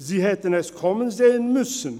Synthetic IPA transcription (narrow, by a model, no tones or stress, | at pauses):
ziːhɛt̪ənæskʰɔmənzeːənmʉsən